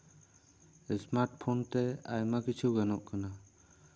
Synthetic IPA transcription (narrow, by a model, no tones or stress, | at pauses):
ɛsmaɾʈ̚pʰɔnt̪ɛa̰jmakit͡ʃʰuɡanɔʔkana